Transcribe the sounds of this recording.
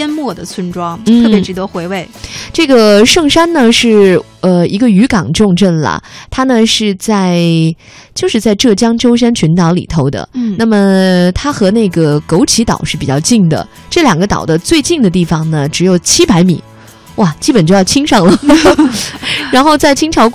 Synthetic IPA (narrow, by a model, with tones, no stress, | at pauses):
jɛ˥nmwɔ˥˩d̪ə˩t͡sʰwə˥nʈ͡ʂwɑ˥ŋn̩ʰ˥˩˥pjʈ͡ʂɻ̩˧˥t̪wɔ˥xwe˧˥ɪwe˥˩ɪʈ͡ʂɤ˥˩ɡə˩ʂɤ˥˩ŋʂa˥nnə˨ʂɻ̩˥˩ | ə˧i˧˥ɡə˧y˧˥kɑ˨˩ŋʈ͡ʂʊ˥˧ŋʈ͡ʂə˥˩nlə̰˩t̪ʰa˥nə˨ʂɻ̩˥˧t͡sa˥˧ɪ | t͡ɕjo˥˧ʊʂɻ̩˥˧t͡sa˥˧ɪʈ͡ʂɤ˥˩t͡ɕjɑ˥ŋʈ͡ʂo˥ʊʂ̬a˥nt͡ɕʰy˧˥nt̪ɑ˧˥ʊlḭ˨˩t̪ʰo˧˥ʊd̪ə̰˨˩na˥˩mə˩t̪ʰa˥xɤ˧˥na˥˩ɪɡə˩ko˧˥ʊt͡ɕʰi˧˥t̪ɑ̰˨˩ʊʂɻ̩˥˩pi˨˩t͡ɕjɑ˥˧ʊt͡ɕi˥˩ŋd̪ə̰˩ | ʈ͡ʂɤ˥˩ljɑ˨˩ŋɡə˦t̪ɑ̰˨˩ʊd̪ə˦t͡swe˥˧ɪt͡ɕi˥˩ŋd̪ə˩t̪i˥˩fɑ˨˩ŋnə˩ʈ͡ʂɻ̩˧˥jo˨˩ʊt͡ɕʰi˥pa˧˥ɪmḭ˨˩˦ | wa˥˩t͡ɕi˥pə˨˩nt͡ɕjo˥˧ʊjɑ˥˩ʊt͡ɕʰi˥ŋʂɑ˥˩ŋlə˩ | ɻa˧˥nxo˥˧ʊt͡sa˥˩ɪt͡ɕʰi˥ŋʈ͡ʂʰɑ˧˥ʊk